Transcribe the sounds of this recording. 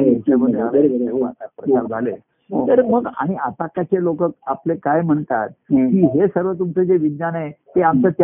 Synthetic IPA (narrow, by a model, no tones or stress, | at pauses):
əməaəɾəɾeat̪ak̚pɾət͡saɾd͡zʱale | t̪əɾməɡa̰ɽ̃iat̪akat͡ɕelokək̚aplekajm̤əɳt̪a̰t̪̚kiːɦesəɾʋət̪̬umt͡sed͡zeʋid̪janet̪eamt͡sət̪